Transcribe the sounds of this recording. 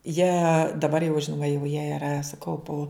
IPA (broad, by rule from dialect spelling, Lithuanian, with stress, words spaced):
jiɛ dɐˈbɐr jɛʊ ˈʒʲɪnoːmɐ jɛʊ jiɛ ɪˈrɐ sʊ ˈkɐʊpʊ